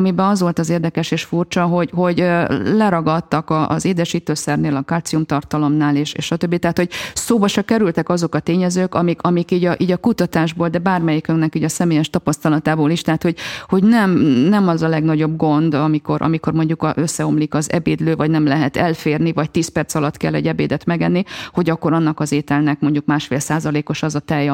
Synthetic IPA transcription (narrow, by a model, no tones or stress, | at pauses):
mibɛɒzʋo̞lt̪ɒzeːrd̪ɛkɛʃeːʃfurt͡ʃɒɦo̞ɟho̞ɟlɛɾɒɡɒt̪ːɒkɒʔːzeːd̪ɛʃiːt̪øːsɛrneːlɒkaːt̪siumt̪ɒrt̪ɒlo̞mnaːleːʃḛːʃɒt̪øbːit̪ɛɦat̪ho̞ɟ̚soːbɒʃɒkɛɾylt̪ɛkɒzo̞kɒt̪eːɲɛzøːkɒmikʰɒmikiːɟɒʔiːɟɒkut̪ɒt̪aːʒboːld̪ɛbaːrmɛjikøŋnɛkiːɟɒsɛmeːjɛʃt̪ɒpɒst̪ɒlɒt̪aːboːliʃt̪ɛɦat̪ho̞ɟho̞ɟnɛmnɛmɒzɒlɛɡnɒɟo̞b̚ɡo̞nd̪ɒmiko̞ɾʔɒ̰miko̞rmo̞ɲɟukɒʔøsːɛo̞mlikɒzɛ̰beːd̪løːvɒɟnɛmlɛɦɛt̪ɛlfeːrnivɒc̚t̪iːspɛrt̪sɒlɒt̪kɛlːɛɟːɛbeːd̪ɛt̪mɛɡɛnːiho̞ɟɒkːo̞ɾɒnːɒkɒzeːt̪ɛlnɛkmo̞ɲɟukmaːʃfeːlsaːzɒleːko̞ʃɒzɒt̪ɛj